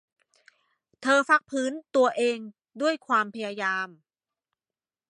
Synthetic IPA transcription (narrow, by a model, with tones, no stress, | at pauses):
t̪ʰɤː˧fa˦˥k̚pʰɯː˦˥nt̪u˧ɐʔeː˧ŋ | du˥˩əjkʰwaː˧mpʰa˧jaː˧jaː˧m